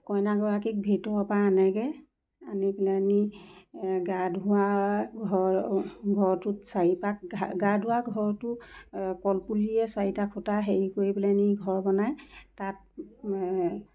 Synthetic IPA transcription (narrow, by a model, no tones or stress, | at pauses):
kɔjnaɡɔɹakik̚bʱetɔɔpaanɛɡɛ | anipilani | ɡadʱʊaɡʱɔ | ɡʱɔɹtʊtsaipak̚ɡadʱuaɡʱɔɹtʊkɔlpuliɛsaitakʰʊtaɦeɹikoɹipilaniɡʱɔɹbɔnajtat̚